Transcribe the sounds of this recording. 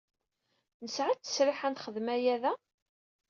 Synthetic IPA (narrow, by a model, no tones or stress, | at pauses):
nəsʕat͡s̪ːə̥sɾɪħænt̪χəðmæjæðæ